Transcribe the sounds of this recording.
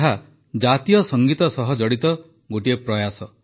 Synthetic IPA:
ɦa | d͡ʒat̪ijɔsɔŋɡit̪ɔsɔɦɔd͡ʒɔɽit̪ɔ | ɡoʈiepɾɔjasɔ

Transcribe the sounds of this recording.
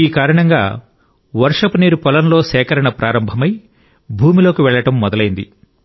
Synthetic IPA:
iːkaːɾɐɳɐŋɡa̰ː | ʋɐɾʂɐpuniːɾupɔlɐnlo̞ːsɛːkɐɾɐɳɐpɾʔaːɾɐmbʱɐmɐj | bʱuːmilo̞ːkiʋɛɭːɐʈɐmːɔd̪ɐlɐjind̪i

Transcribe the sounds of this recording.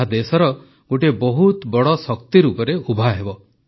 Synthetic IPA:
ad̪esɔɾɔ | ɡ̥oʈebɔɦut̪bɔɽɔsɔkt̪iɾupɔɾeubʱaɦebɔ

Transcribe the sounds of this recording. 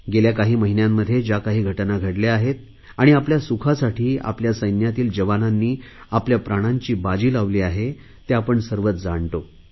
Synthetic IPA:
ɡeljakaɦiːməɦinjamːəd̪ʱːjed͡ʑjakaɦiːɡʱəʈnaɡʱəɽleaɦet̪̚ | aɽ̃iapljasukʰasaʈʰiːa̰pljasəjnjat̪iːld͡ʑəʋananːiː | apljapɾaɽ̃aɲt͡ɕiːbad͡ʑiːlaʋliːaɦe | t̪eapəɳsəɾʋət͡sd͡zaɳʈ̪o

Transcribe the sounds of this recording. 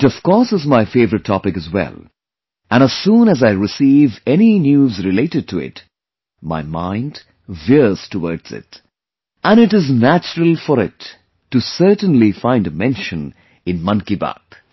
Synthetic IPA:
tʌv̥kɔɹsɨzmaɪfeɪvəɾɨtʰːɔpɨkɨzwɛ̰lˠ | æ̃ñəz̥sũnəzaɪɹɪsivɛninjuzɹɨleɪɾɨd̚tʰuɪ̰t | ma̰ɪmãɪ̃nd | vɪɹz̥tʰəwəɹdz̥ɪ̰t | ʔə̃nɨɾɨznæt͡ʃəɹəl̩ˠfɔɾɪtː | ɨsɜ˞tə̃nlifãɪ̃ndəmɛ̃nʃɨ̃n | ɨ̃nmʌ̃nkiba̰k

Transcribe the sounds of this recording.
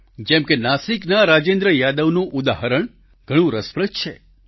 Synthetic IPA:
d͡ʒɛmkenasiknaɾad͡ʒẽnd̪ɾəjad̪əʋnũʔud̪aɦəɾəɳ | ɡʱəɽ̃ũɾəspɾət͡ʃt͡ʃʰḛ

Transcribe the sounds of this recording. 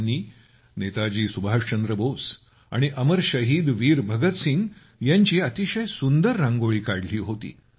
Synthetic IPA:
nːiː | net̪ad͡ʑiːsubʱaʂt͡ɕənd̪ɾəbos | a̰ɽ̃iʔəməɾɕəɦiːd̪ʋiːɾbʱəɡət̪siŋɡ | jaɲt͡ɕiːət̪iɕəjsund̪əɾːãŋɡoɭiːkaɽliːɦot̪ḭː

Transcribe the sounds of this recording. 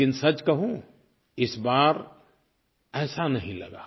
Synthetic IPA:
ɪnsɐt͡ʃkɐɦũ | ɪsbaːɾ | ɛːsanɐɦĩlɐ̰ɡaː

